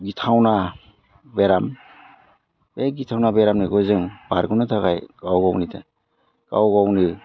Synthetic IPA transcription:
ɡitʰawna | beɾam | beɡitʰawnabeɾamniɡɔzɯŋbaɾɡɯnɯtʰakajɡ̥awɡawnitʰa̰ | ɡ̥a̰wɡawni

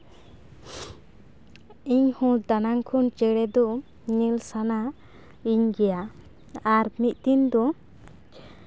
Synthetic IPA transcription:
iɲhũd̪anaŋkʰunt͡ʃɛɽɛd̪ɔ | ɲilsana | iɲɡɛja | aɾmit̪̚ˀt̪ind̪ɔ

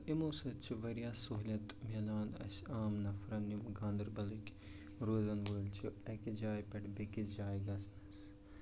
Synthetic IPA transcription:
ʔimoːsɐt͡ʃʰuʋɐɾijaːsoɦlʲɐt̪melaːnɐ̰saːmnɐfɾɐnimɡaːnd̪ɐɾbɐlikʲ | ɾoːzɐnʋoːlt͡ʃʰuɐkid͡ʒaːjpɐʈbekid͡ʒaːjɡɐsnɐs

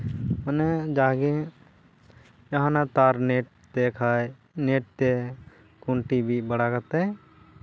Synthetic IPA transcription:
məned͡ʒaːɡẽ | jɐɦãnat̪aːɾneʈ̚ | t̪ekʰa | neːʈ̚t̪e | kʊɳʈibʱibəɽakət̪eɛ̃

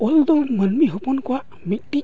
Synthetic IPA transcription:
ɔld̪ɔlmənmiɦupunkɔwaʔ | mik̚ti

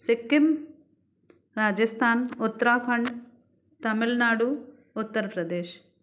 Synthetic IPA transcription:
sikːim | ɾaːd͡ʒɐst̪ʰaːnut̪ːɾaːpʰɐɳɖ | t̪ɐmilnaːɽu | ut̪ːɐɾɐpɾɐd̪eːʃ

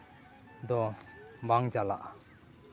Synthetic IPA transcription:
d̪ɔbaŋd͡ʒala̰ʔ

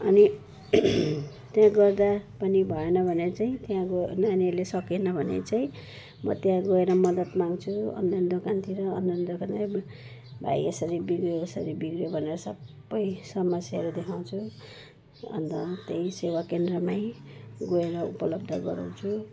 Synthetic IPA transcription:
ʌni | t | t̪jãɡʌrd̪apʌnibʱʌenʌbʱʌnet͡saĩt̪jãɡonːnelesʌkenʌbʱʌnḛt͡saĩ | mʌ̰t̪jãɡoeɾʌmʌd̪ʌt̪maŋɡt͡sʰuʌ̰nːʌnd̪okant̪ʰiɾʌ̰ːnːʌnd̪okant̪i | bʱa̰jesʌɾibiɡrjoesʌɾibiɡɾjobʱʌneɾʌsʌbːʌjsʌmʌsjaɾod̪ekʰaw̃t͡sʰu | ʌ̰nt̪ʌ̰t̪ejsewakend̪rʌmajɡoeɾʌṵpʌlʌb̚d̪ʱʌɡʌ̰ɾa̰wt͡sʰu

